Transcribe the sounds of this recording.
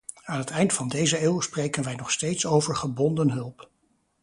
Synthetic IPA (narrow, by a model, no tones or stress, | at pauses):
aːnɦətɛjntfɑndejzəeːwsprejkənʋɛjnɔχstejtsowvəɹχəbɔndənɦɵlˠp